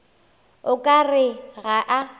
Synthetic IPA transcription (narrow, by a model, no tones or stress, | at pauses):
ʊkʼarɪɣaʔa